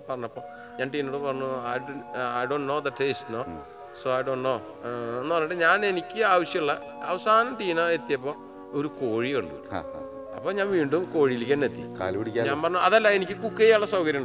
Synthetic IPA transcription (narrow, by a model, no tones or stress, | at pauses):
pɐrɐɲːɐpːo̞ː | ɲaːnʈiːnoɽɨpɐrɐɲːuajajɖoːɳnoːd̪ɐʈʰeːstnoː | soːɐjɖoːɳɖnoː | enːupɐrnːaːʈːɨɲaːne̞nikʲːɨaːʋɐɕjɐmuɭːɐ | ɐ̰ʋɐsaːnɐmʈiːnoe̞t̪ːijɐp̬ːo̞ː | oɾukoːɻioɳɖɨ̰a̰ | ɐ̰pːoːɲaːnʋiːɳɖumko̞ːɻiilikʲːaːnet̪ːḭka̰ːlpiɽikʲːaɲaːnpɐrɐɲːuɐðɐlːɐenikʲːɨkukːejaɭːɐsɐwkɐɾjuɳɖ